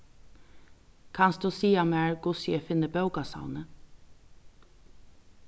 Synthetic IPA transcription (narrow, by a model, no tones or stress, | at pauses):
kʰɑnsd̪uːsiːɑmæːɹɡ̥ʊsjəfɪnəbœʉɡɑsɑ̰ʊnə